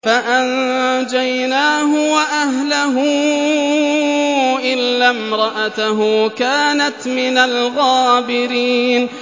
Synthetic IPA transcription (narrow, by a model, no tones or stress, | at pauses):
faʔand͡ʒajnaːɦʊwaʔaɦlaɦʊ | ʔɪlːamɾˤɑʔat̪aɦʊkaːnat̪mɪnalɣaːbɪɾiːn